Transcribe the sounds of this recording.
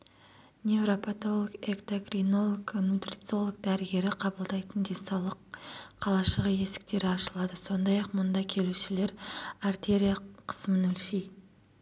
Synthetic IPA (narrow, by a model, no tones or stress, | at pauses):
nʲe̞vɾo̞pʰat̪o̞lˠəɡekt̪oɡrino̞lˠoknut̪rʲit̪sio̞lˠəɡ̚d̪æɾɪɡʲe̞ɾɪqʰɑbəlˠd̪ɑjt̪ənd̪e̞nsɑwlˠəqʰːɑlˠɑʃəʁəje̞sɪ̥k̚t̪e̞ɾɪɑʃəlˠɑd̪əso̞nd̪ɑjɑqmʊnd̪ɑkʲʰe̞luʃɪle̞ɾart̪ʲe̞ɾʲijaqʰə̥smənɵlʃej